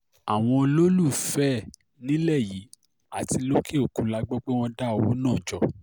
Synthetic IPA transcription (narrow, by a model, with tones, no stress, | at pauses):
a˨w̃ɔ̃˧lo˦lu˦˨fɛ˦ | nĩ˦lɛ˦˨ji˨˦ | a˦˨ti˧lo˦kʰe˦o˦˨kũ˨˦la˧ɡ͡bɔ˦k͡pe˦w̃ɔ̃˧da˦o˨wo˨˦nãː˦˨d͡ʒɔ˨